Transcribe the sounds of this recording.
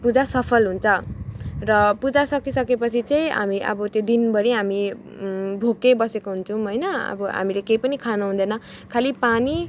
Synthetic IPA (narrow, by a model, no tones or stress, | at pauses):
pud͡zasʌpʰʌlɦunt͡sʰʌrʌpud͡zasʌkisʌkepʌt͡sʰit͡sʌĩɦa̰miʔʌ̰bʌt̪jod̪inbʌɽiɦami | bʱokejbʌsekoɦunt͡sʰʌw̃ɦʌjnʌʌ̰bʌɦa̰milekejpʌnikʰanʌɦũnd̪ʌnʌkʰalipani